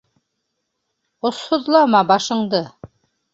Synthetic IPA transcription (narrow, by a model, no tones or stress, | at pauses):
ŏshoðlˠɑmɑbɑʃɤ̆ɴd̪ɤ